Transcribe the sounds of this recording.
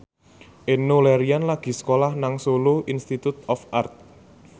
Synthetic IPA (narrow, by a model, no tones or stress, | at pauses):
ʔenoleɾianlaɡ̥i̤sə̥kolahnaŋsoloʔinst̪it̪ut̪ɔfʔart̪̚